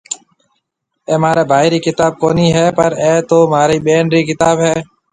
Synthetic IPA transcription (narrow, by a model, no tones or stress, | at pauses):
eːmaːɾeːbʱaːiːɾiːkɪt̪aːb̚koːniːɦɛːpəɾeːt̪oːmaːɾiːɓeːnɾiːkɪt̪aːbɦɛː